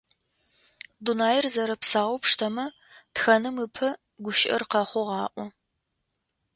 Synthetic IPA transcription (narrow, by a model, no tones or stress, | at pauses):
dunaːjɪrzɐɾɐpsaːwʊpʂtʰɐmɐ | txɐnɨmɨpʰɐ | ɡʷʊʃɪʔɐ̰rqɐχʷʊʁɑːʔʷɔ